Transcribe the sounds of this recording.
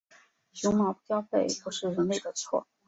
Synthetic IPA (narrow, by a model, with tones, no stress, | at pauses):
ɕu˧˥ŋmɑ˧˥ʊpu˥˩t͡ɕjɑ˥ʊfe˥˩ɪpu˧˥ʂɻ̩˥˩ɻə˧˥nle˥˩ɪd̪ə˩t͡sʰwɔ̰˥˩